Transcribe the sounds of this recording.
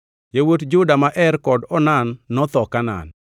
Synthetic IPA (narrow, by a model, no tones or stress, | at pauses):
jewotd͡ʒʊdamaʔɛrkɔdɔnanːɔt̪ɔkana̰n